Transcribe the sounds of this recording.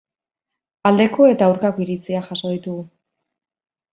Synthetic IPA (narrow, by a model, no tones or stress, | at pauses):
ald̪e̞ko̞e̞t̪aːwɾkakoiɾit͡siaʝaso̞ð̞it̪uɣu